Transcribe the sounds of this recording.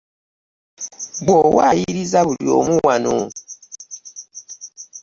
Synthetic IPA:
ɡ͡bɔwajiɾizabuliomuwanṵ

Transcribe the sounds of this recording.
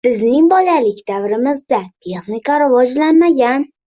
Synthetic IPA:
b̥ɪznɪŋbɒlalɪkʲd̪avɾɪmɪzd̪at̪ʰe̞χnɪkaɾɪvɒd͡ʒlanmaɡʲan

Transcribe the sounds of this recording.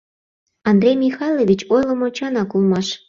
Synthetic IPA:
ɑnd̪ɾʲejmʲixɑjlʲˠovʲit͡ɕojlˠəmot͡ɕɑnɑkulˠmɑʃ

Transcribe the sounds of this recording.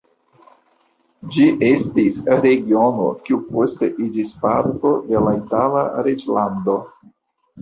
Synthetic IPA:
d͡ʒiʔe̞stisɾe̞ɡio̞no̞̰kiupo̞ste̞ʔid͡ʒispaɾto̞de̞laitala̰ɾed͡ʒlando̞

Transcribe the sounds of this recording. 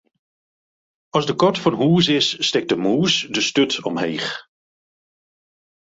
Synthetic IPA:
ɑlˠzdəkɔtfɑnɦuːsɪsːtɛk̚dəmuːsdəstɵtɔ̰mɦejχ

